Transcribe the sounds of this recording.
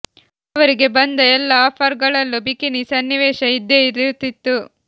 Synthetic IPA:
ɐʋɐɾiɡe̞bɐnd̪ɐɛlːɐaːpʰɐɾɡɐɭɐlːubikinisɐnːiʋeːʃɐid̪ːeiɾit̪ːit̪ːu

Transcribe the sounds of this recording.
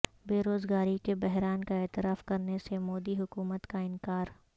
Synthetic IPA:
beːɾoːzɡaːɾikebɛɦɾaːnkaeːt̪ɪɾaːfkɐɾnesemoːd̪iɦʊkuːmət̪kaɪnkaːɾ

